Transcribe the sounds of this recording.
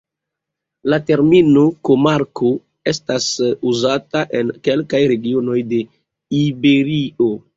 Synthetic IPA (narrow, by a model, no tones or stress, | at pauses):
late̞ɾmino̞ko̞maɾko | e̞stasuzataʔe̞nke̞lkajɾe̞ɡio̞no̞jde̞ | ibe̞ɾio̞